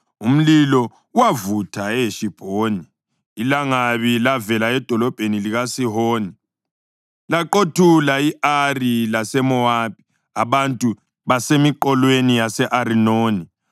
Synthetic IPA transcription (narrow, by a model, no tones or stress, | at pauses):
um̩lilɔ | wavutʰaɛʃib̥ʱoːniː | laŋaβilavɛlaɛd̥ʱɔlɔb̥ʱeniliɣasiɦoːni | laǃotʰulaiʔarilasɛmɔapi̥ | aβantʼu | βasemiǃɔlwenijasɛʔaɾinoːni